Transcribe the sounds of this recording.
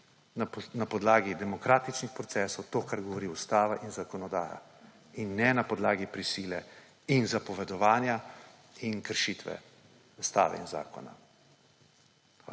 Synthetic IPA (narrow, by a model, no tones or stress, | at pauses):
napɔd̪laːɡid̪ɛmɔkɾaːt̪it͡ʃnixpɾɔt̪sɛːsɔwt̪oːkaɾɡɔʋɔɾiust̪aːʋaʔinzakɔnɔd̪aːja̰ | inːɛnapɔd̪laːɡipɾisiːlɛ | inzapɔʋɛd̪ɔʋaːnja | inkəɾʃit̪ʋɛ̰ | ust̪a̰ːʋɛ̰ḭnza̰ːkɔ̰na̰